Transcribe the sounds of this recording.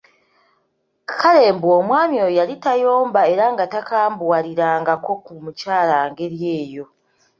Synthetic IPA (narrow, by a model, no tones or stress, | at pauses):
kale̞ːmbuomwaːmjo̞jalitajo̞ːmbae̞ɾaŋɡatakaːmbwwaɾiɾaːŋɡako̞kumucaːlaːŋɡe̞ɾje̞ːjo̞